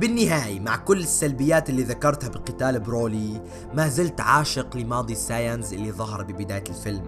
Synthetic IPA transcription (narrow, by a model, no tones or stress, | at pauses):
bɪnːɪɦaːjamaʕkʊlːɪsːalbɪjːaːt̪ʔɪlːiːðakɑɾˤt̪habɪqɪt̪aːlbɾoːli | maːzɪlt̪ʕaːʃɪqlɪmɑːd̪ˤisaːjanzʔɪlːiðˤɑɦɑɾˤbɪbɪd̪aːjalfɪlm